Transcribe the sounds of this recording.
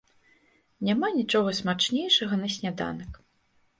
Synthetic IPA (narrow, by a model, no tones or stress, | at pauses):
nʲamanʲit͡ʂɔɣɐsmat͡ʂnʲejʂɐɣɐnɐsʲnʲad̪a̰nɐk